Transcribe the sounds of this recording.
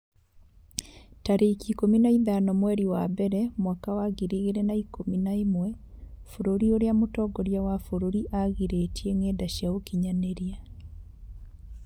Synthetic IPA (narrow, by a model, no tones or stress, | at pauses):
taɾeikikominaiðanɔmwɛɾiwabɛɾɛmwakawaɣiɾiɣeɾenaikominaimwɛfoɾoɾioɾeamotɔɡɔɾjawafoɾoɾiʔaɣiɾetiɛŋedaɕjaokiɲaneɾia